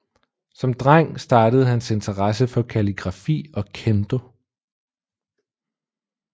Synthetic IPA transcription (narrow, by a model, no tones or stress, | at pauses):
sɒ̽md̥ʁaŋ̰sd̥ɑ̈ːd̥əð̞̩ˠhænse̝nt͡sʰɐʁɑs̬əfɒ̽kʰæliɡ̥ʁɑ̈fḭːɒ̽kʰend̥o̝